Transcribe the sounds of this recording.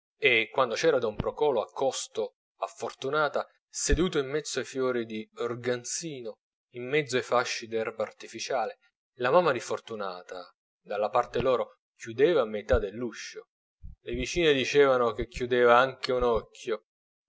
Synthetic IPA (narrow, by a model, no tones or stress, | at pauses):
ekːwand̪ot͡ʃɛːɾad̪aumpɾokɔːloakʰːɔst̪o | afːort̪unaːt̪a | sed̪uːt̪oimːɛt̪sːoajfjɔːɾid̪iorɡant̪siːno | imːɛd̪zːoaejfaʃːid̪ɛrbaart̪ifit͡ʃaːle | lamamːad̪ifort̪unaːt̪a | d̪alːapart̪elɔːɾo | kʰjud̪ɛːvamet̪ad̪elːuʃːo | levit͡ʃiːned̪it͡ʃɛːvanok̟ekːjud̪eːvaaŋk̟eunɔkʰːjo